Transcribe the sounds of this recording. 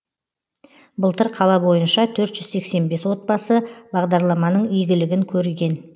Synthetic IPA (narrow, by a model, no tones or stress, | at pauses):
bəlˠt̪əɾqʰɑlˠɑbo̞jənʃɑt̪ʰɵɾt̪ʒ̥ʏzse̞kse̞nbe̞swo̞t̪̚bɑsəbɑʁd̪ɑɾlˠɑmɑnəɴijɡʲɪlɪɡʲɪŋkʲʰɵɾɡʲe̞n